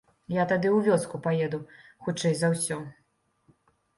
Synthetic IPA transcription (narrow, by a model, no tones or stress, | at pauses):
jat̪ad̪ɨwvʲɔskupajɛd̪uxut͡ʂɛjzawsʲɔ